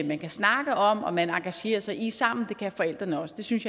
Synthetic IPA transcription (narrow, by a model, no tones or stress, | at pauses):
emænkʰæsnɑ̈ɡ̥əɒ̽mɒ̽mænɑ̈ŋɡ̥æɕe̝̰ːɐsɑ̈ɪʔisɑ̈m̰n̩d̥e̝kʰæfɒ̽el̰d̥ʁɐnəɒ̽səd̥e̝synsjɑ